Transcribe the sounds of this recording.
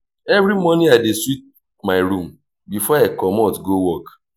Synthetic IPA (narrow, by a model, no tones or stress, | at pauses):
ɛvɾimɔniadeswit̚ | maɪɾum̩ | bifɔekɔmɔtɡowɔk